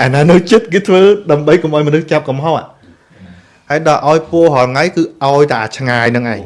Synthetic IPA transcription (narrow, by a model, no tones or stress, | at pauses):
ʔanaːnɨwt͡ɕɨt̪̚kɨːt̪ʰʋəːɗaəmɓəjkomʔaɔjmɔənɨht͡ɕap̚kɑmɦot | haəjɗɑːʔaɔjpʊəɦɔlŋajkɨːʔaɔjt̪aʔaːt͡ɕʰŋaːjnɨŋʔaɛ